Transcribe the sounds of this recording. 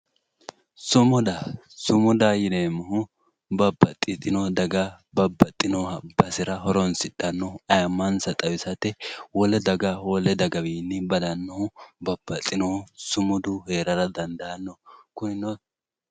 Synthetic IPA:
sʊmɔd̪ɐ | sʊmʊd̪ajɪd̪eːmɐɦʊ | bɐbːɐt̪ʼːɪt̪ʼɪnɔd̪ɐɡɐ | bɐbːɐt̪ʼːɪnɔhɐbɐsɪɾɐɦɔɾɔnsɪtːɐnːɔɐjɐmːɐnsɐt̪ʼɐwɪsɐt̪ɛwɔlɛd̪ɐɡɐwɔlɛd̪ɐɡɐbiːnːɪbɐd̪ɐnːɔhʊbɐbːɐt̪ʼːɪnɔhʊsʊmʊd̪ʊheːɾɐɾɐd̪ɐnd̪ɐɐnːɔkʊnɪnɔ

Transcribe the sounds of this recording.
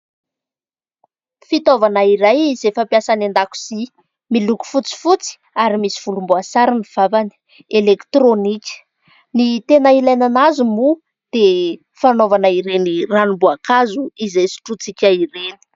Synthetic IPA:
fit̪ovanaiɾajizefampjasanand̪aku̥si | miluku̥fut͡si̥fut͡si̥ | aɾimisi̥v̥ulumbuasaɾiniv̥avani̥ | elekt̪ronikʲə̥ | nit̪enailajnanazumu | d̪̥e | fanovanaiɾeniranumbuakazuizajsi̥ʈ͡ʂut͡sikʲaiɾeni̥

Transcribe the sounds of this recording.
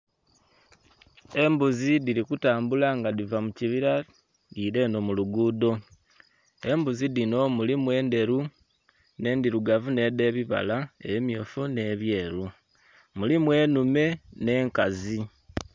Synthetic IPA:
e̞mbuzidiɾikutaːmbulaŋɡadivamuciβiɾa | diːɾe̞no̞muluɡuːdo̞ | e̞mbuzidino̞mulimwe̞ːnde̞ɾu | ne̞ːndiɾuɡavune̞de̞ːβiβa̰laḛβimjo̞ːfune̞βje̞ːɾu | mulimwe̞ːnume̞ne̞ːŋkazi

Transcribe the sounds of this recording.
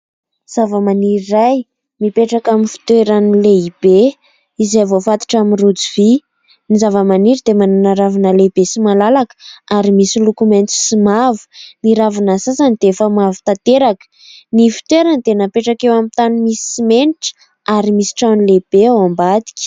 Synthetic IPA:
z̥avəmaniɾiraj | mipeʈ͡ʂakaminfi̥t̪weɾanileib̥e | izejvofat̪u̥ʈ͡ʂamirud͡zivi | nizavəmaniɾid̪emananaɾavinəlebesimalalakə̥aɾimisilukument͡s̪i̥simavu̥niɾavanasasanid̪eefəmavi̥t̪at̪eɾakə̥ | nifi̥t̪weɾand̪enapeʈ͡ʂakewamit̪animisi̥imeniʈ͡ʂə̥ | aɾimisi̥ʈ͡ʂawnileb̥eawambad̪i̥kʲi̥

